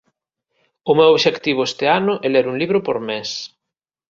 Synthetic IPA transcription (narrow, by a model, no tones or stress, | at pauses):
ʊmewoβʃekt̪iβ̞ʊest̪eanʊʔɛleɾuŋliβɾʊpoɾmes